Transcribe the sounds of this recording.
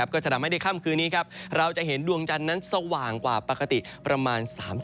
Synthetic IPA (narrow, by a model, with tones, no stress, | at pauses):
p̚kɔː˥˩t͡ɕa˨˩˨da˨˧˩ma˥˩jda˥˩kʰaː˥˩mkʰɯː˧nːiː˦˥kʰa˦˥p̚ɾa˧wt͡ɕa˨ʔɦe˩˦ndu˧əŋt͡ɕa˧nːa˦˥nsa˧waː˨˩ŋkwaː˨˩pa˧˩ka˧t̪i˨˩pɾa˧maː˧nsaː˩˦ms